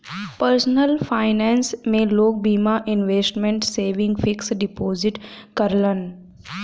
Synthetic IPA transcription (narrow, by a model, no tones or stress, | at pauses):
pəɾsnəlfaɪnɛ̃ːnsmẽːloːk̚biːmaʔɪ̃nʋeːsʈmẽɳʈseːʋɪ̃ŋɡfɪksɖɪpoːzɪʈkəɾlən